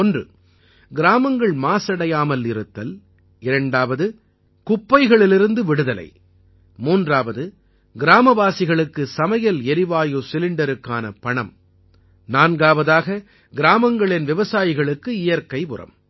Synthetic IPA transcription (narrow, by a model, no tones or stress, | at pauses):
ɔndrɯ̰ | ɡɪɾaːmɐŋɡɐɭmaːsɐɽɐjaːmɐlɪɾɯt̪ːɐl | ɪɾɐɳɖaːʋɐðɯ | kʊpːɐɪɣɐɭɪlɪɾɯnd̪ɯʋɪɽɯðɐlɐ̰ɪ | muːndraːʋɐðɯ | ɡɪɾaːmɐʋaːsɪɣɐɭɯkːɯsɐmɐjɐlɛɾɪʋaːjoːsɪlɪɳɖɐɾɯkːaːnɐ̰pɐɳɐm | naːnɡaːʋɐðaːɣɐ | ɡɪɾaːmɐŋɡɐɭɪnʋɪʋɐsaːjɪɣɐɭɯkːɯɪjɐɾkːɐɪʋʊrɐ̰m